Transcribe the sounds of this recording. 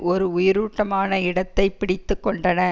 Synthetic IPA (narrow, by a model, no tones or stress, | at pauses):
ɔɾɯʊjɪɾuːʈːɐmaːnɐɪɽɐt̪ːɐɪpɪɽɪt̪ːɯkːɔɳɖɐnɐ